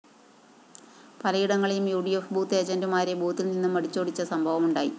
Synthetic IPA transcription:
pɐlɐjiɽɐŋːɐɭijumjuːɽijofbuːt̪ːe̞ːd͡ʑɐndumaːɾebuːt̪ːilninːumɐɽit͡ɕːoːɽit͡ɕːɐsɐmbʱɐʋɐmuɳɖaːjḭ

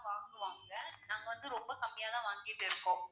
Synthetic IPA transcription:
ʋaːŋɡɯʋaːŋɡɐnaːŋɡɐʋɐnd̪ɯɾɔmbɐkɐmːɪjaːðãːʋaːŋɡɪʈːɪɾɯkːõː

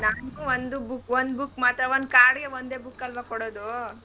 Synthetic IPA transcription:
naːnuːʋond̪ubukːʋond̪bukːmaːt̪ɾaʋond̪kaːɽɡeʋond̪eːbukːɐlʋakɔɽoːd̪u

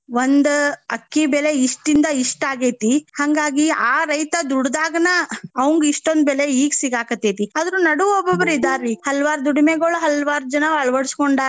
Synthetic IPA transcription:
ʋond̪ɐkːibɛleiʂʈind̪ɐiʂʈaːɡeːt̪ihaŋɡaːɡiaːɾɐjt̪ɐd̪uɽd̪aːɡɐnɐɐʋɐŋɡiʂʈond̪bɛleiːɡsiɡaːkɐt̪ːeːt̪iɐd̪ɐɾunɐɽuobɐbɐɾid̪aːɾihɐlʋaːɾd̪uɽimeɡoɭuɦɐlʋaːɾd͡ʒɐnɐɐɭʋɐɽskoɳɖaː

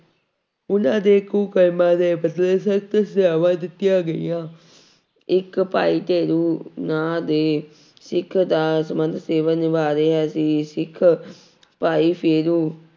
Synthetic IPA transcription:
ʊnãːd̪eːkuːkəlmãːd̪eːpət̪leːsəkt̪saːʋãːd̪ɪt̪ːɪjãːɡəḭːãː | ɪkpaːiːʈ̪eːɾuːnãːd̪eː | sɪkʰd̪aːsəmənd̪seːʋənʋaːɾeːɦɛːsiːsɪkʰ | paːiːpʰeːɾũː

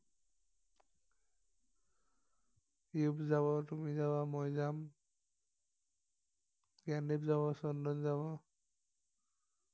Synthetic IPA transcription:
iubzaβɔtumizabamɔjzam | kanipzaβɔsɔndɔnzaβɔ

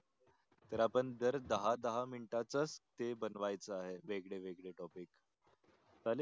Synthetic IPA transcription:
t̪əɾapəɳd̪əɾd̪əɦad̪əɦaminʈat͡səst̪ebənʋajt͡səaɦeʋeɡɭeʋeɡɭeʈɔpik | t̪al

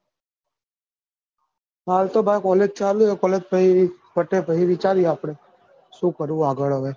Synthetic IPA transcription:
ɦaːlt̪oːbʱaːjkɔːleːd͡ʒt͡ʃaːluekɔːleːd͡ʒpəipəʈeːpəɦiʋit͡ʃaːɾiaːpɽeː | suːkəɾũaːɡəɭəʋeː

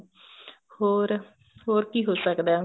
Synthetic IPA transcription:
hoːɾ | ɦoːɾkiːɦoːsəkd̪aː

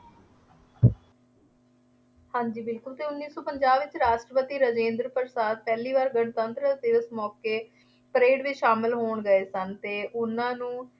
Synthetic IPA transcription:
hãːɲd͡ʒiːbɪlkʊlt̪eːʊnːiːsɔːpəɲd͡ʒaːbʋɪt͡ʃɾaːʃʈɾəpət̪iːɾəd͡ʒẽːnd̪ɾpəɾsaːd̪̚pɛːliːʋaːɾɡəɳ̃t̪ənt̪ɾəd̪ɪʋəsmɔːkeː | pəɾeːɖʋit͡ʃʃaːmɪlɦoːɳɡəeːsənt̪eːʔʊnãːnũː

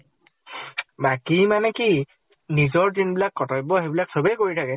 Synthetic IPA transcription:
bakimanɛki | nizɔɹdinbilakːɔtɔjbɔɦebilaksobɛjkoɹitʰakɛ

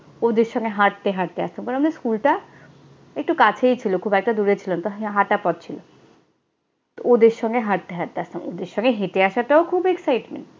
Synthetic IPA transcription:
od̪eɾʃɔŋɡeɦaʈ̚t̪eɦaʈt̪ea̰st̪amkaɾõnamad̪eɾskulʈa | ek̚ʈukat͡ɕʰejt͡ɕʰilokʰubɛk̚ʈad̪uɾet͡ɕʰilont̪oɦaʈapɔt̪̚t͡ɕʰilo | t̪ood̪eɾʃɔŋɡeɦaɾ̚t̪eɦaʈt̪east̪amod̪eɾʃɔŋɡeɦeʈeaʃaʈaokʰubeksajʈmḛɳʈ

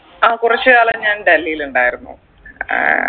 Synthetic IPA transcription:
aːkurɐt͡ɕːɨaːɭɐɲaːnɖɐlːijiluɳɖaːjiɾunːṵ

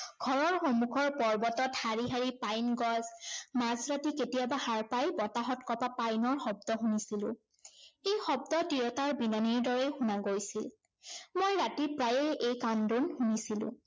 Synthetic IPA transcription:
ɡʱɔɹɔɹxɔmukʰɔɹpɔɹbɔtɔthaɹiɦaɹipajnɡɔzmazɹatiketijabahaɹpajbɔtaɦɔtkɔpapajnɔɹxɔb̚dɔɦunisilʊ̰̃ | ejxɔbdɔtiɹɔtaɹbinaniɹdɔɹɛjxunaɡojsil | mojɹatipɹajɛejkandunxunisilʊ̰̃

